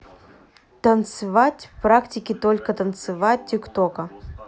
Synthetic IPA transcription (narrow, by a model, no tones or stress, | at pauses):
t̪ənt̪sɨvatʲfpɾaktʲɪkʲɪt̪olʲkət̪ənt̪sɨvat̚ʲtʲːɪkt̪okə